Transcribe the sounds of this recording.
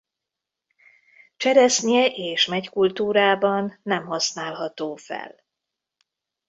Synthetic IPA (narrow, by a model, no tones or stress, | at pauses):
t͡ʃɛɾɛsniɛʔeːʃmɛckult̪uːɾaːbɒnːɛmɦɒsnaːlɦɒt̪oːfɛ̰l